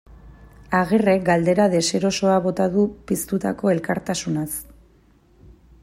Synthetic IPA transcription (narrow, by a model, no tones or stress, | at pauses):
aɣ̞ire̞k̚ɡald̪e̞ɾaðe̞se̞ɾo̞so̞aβo̞t̪aðupist̪ut̪a̰ko̞e̞lkaɾt̪asunas